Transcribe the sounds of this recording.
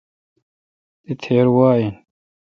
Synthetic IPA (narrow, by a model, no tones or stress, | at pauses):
d̪it̪ʰeːɾwaːin